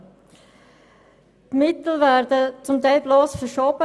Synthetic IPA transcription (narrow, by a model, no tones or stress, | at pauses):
tmɪt̪l̩væɾdət͡sʊmt̪aɪlbloːsfəɾʃoːb̥ə